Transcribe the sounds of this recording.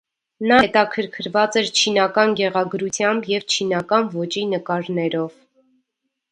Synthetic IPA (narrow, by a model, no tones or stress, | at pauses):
nɑɛt̪ɑkʰəɾkʰəɾvɑt͡sɛɾt͡ʃʰinɑkɑnɡɛʁɑɡɾut͡sʰjɑmbjɛvt͡ʃʰinɑkɑnvɔt͡ʃinəkɑɾnɛɾɔv